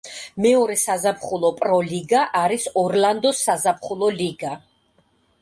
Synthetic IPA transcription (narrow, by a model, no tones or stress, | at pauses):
mɛɔɾɛsazapχulˠɔpʼɾɔliɡaʔaɾisɔɾland̪ɔsːazapχulˠɔliɡa